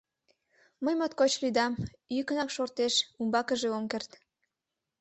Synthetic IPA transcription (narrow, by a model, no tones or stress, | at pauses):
məjmot̪kot͡ɕlyd̪ɑm | ykənɑkʃort̪eʃumbɑkəʒeomkert̪